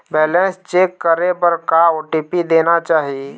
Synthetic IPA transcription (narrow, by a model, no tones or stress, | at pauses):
bɛːlɛ̃nst͡ʃeːkːəɾebəɾkaoːʈiːpid̪eːnat͡ʃaːɦie